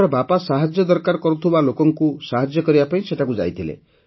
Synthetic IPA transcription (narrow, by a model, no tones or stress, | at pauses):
ɾɔbapasaɦad͡ʒjɔd̪ɔɾkaɾɔkɔɾut̪ʰibalokɔŋkusaɦad͡ʒjɔkɔɾibapaĩseʈʰakud͡ʒa̰jt̪ʰilḛ